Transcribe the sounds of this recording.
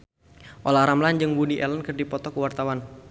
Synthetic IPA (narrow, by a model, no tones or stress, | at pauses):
ʔolahɾamland͡ʒɨŋbudiʔɛlənkərdipɔt̪ɔkəwart̪awan